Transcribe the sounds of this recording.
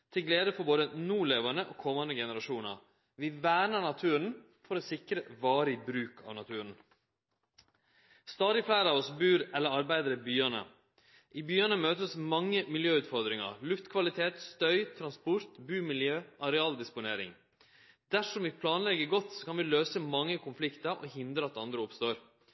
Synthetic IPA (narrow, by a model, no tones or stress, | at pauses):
t̪ʰɪlɡleːd̪əfɔboːd̪ənuːɭeːʋənəʔoːkʰɔmːɑnd̪əɡɛnəɾɑʂuːnɑ̰ɾ | ʋɪʋæːɳəɳɑt̪ʰʉːɾn̩ | fɔɾɔsɪkɾəʋɑːɾɪbɾʉːkʰɑ̰ːʋnɑt̪ʰʉːɾən̩ | st̪ɑːd̪ɪflæɪɾəɑːʋɔsbʉːɾɛlːəɾɑɾbæɪd̪əɾəbyːɑnə̰ | ʔiːbyːɑnəmøːt̪əsmɑŋːəmɪljøːʉːt̪fɔɾd̪ɾɪŋɑ̰ɾlʉft̪kʰʋɑlɪt̪ʰeːt̪st̪œʏt̪ʰɾɑnspʊɾt̪bʉːmɪljøːʔɑɾɛɑːld̪ɪspʊneːɾɪ̰ŋ | d̪æʂɔmʋɪpʰlɑːnlɛɡəɡɔt̪sɔ̥kɑnʋɪløːsəmɑŋːəkʰʊnflɪkt̪əɾʔɔ̰ɦɪnd̪ɾəɑt̪ɑnd̪ɾəʊpst̪oːɾ